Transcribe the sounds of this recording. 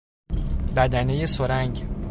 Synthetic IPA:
bæd̪ænejesoɾæŋɟ

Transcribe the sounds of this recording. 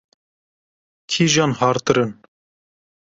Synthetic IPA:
kʰiːʒɑːnhɑːɾt̪ɨɾɨn

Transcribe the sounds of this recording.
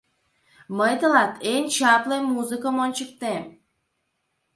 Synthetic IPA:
məjt̪ə̆lɑt̪ʰenʲt͡ɕɑplejmuzɨkəmonʲt͡ɕək̚t̪em

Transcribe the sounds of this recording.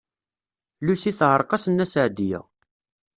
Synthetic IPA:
lusiθʕəɾˤqɑsənːæsəʕd̪ijæ̰

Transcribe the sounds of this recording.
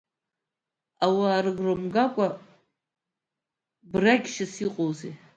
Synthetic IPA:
awaːɾɨɡrɨmɡakʷʼa | braɡʲʃasiqʼowzḛj

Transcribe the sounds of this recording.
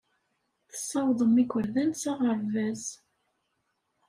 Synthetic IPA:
θə̥sˤːɑwðˤəmikʷəɾðænsɑʁəɾvæz

